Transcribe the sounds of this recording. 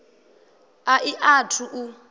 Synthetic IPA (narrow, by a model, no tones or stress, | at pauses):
aʔiʔatʰuʔu